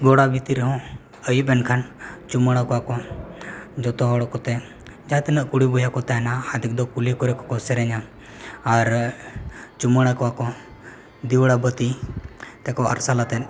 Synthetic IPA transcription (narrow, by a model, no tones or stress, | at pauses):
ɡɔɽabit̪iɾəɦɔ̃ | əjibɛnkʰant͡ʃuməɽ̃akɔakɔ | d͡ʒɔt̪ɔɦɔɽɔkɔt̪ɛ | d͡ʒat̪inəʔkuɽibɔjakɔt̪ɛnahad̪ik̚d̪ɔkulekɔɾɛkɔkɔsɛɾɛɲa | aɾ | t͡ʃuməɽ̃akɔakɔ | d̪iʋɽabət̪it̪ɛkɔɐ̰ɾsalat̪ɛn